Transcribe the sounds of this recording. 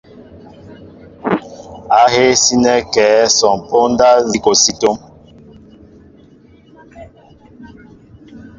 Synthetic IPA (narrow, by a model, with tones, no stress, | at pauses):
a˨˦ɦe˦si˦nɛ˦kɛː˨˦sɔ˨ŋ˨po˦n˦da˦zi˦ko˨si˦to˦m